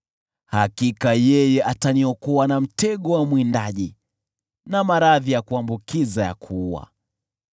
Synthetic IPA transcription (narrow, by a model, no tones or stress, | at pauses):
hakikajɛjɛʔataniɔkɔwanam̩tɛɠɔwamwindaʄi | namaɾaðijakuambukizaja̰kʰuwa̰